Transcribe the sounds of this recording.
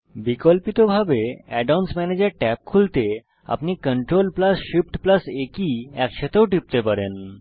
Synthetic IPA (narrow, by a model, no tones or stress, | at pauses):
bikolpit̪obʱabeɛɖansmɛned͡ʑeɾʈɛp̚kʰult̪e | a̰pnikəɳʈɾolplasʃipʈplasekiɛkʃet̪ewɖip̚t̪epaɾen